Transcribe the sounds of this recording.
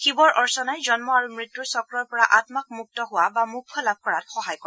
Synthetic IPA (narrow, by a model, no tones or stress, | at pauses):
xibɔɹʔɔɹsɔnajzɔnmɔaɹumɹitːuɹsɔkɹɔɹpɔɹaʔatmak̚muk̚tɔɦʊwabamukʰːɔlab̚ʱkɔɹatxɔɦajkɔɹ